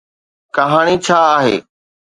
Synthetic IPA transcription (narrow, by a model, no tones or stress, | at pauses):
kɐɦaːɽ̃it͡ɕʰaːaːɦḛː